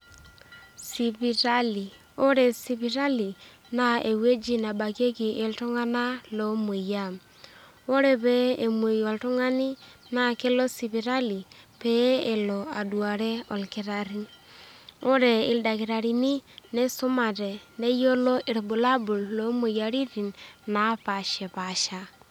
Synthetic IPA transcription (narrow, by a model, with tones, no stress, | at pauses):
si˨pi˨ɾa˦li˨ | o˦ɾe˨si˨pi˨ɾa˦li˨ | na˦e˨we˦d͡ʒi˦na˨ba˨ke˦ki˨ʔɪ˦ltʊ˦ŋa˦na˦lo˦me˨ja˦m | o˦ɾe˦pe˦e˨me˨jɔ˨ltʊ˦ŋa˦ni˦na˦˨ke˦lo˦si˨pi˨ɾa˦li˨ | pe˦e˨lɔ˨a˨dwa˨ɾɛ˦ɔ˨lkɪ˨˦ɾa˨ɾi˦ | o˦ɾe˨ɪ˨lda˨kɪ˨ɾa˨ɾi˨ni˦ne˦sʊ˦ma˨tɛ˨ne˦jo˦lo˦ʔɪ˨ɾbu˨la˦bu˨lːo˦mu˨ja˨ɾi˦ti˨nna˨˦pa˨ʃɛ˨pa˨ʃa˨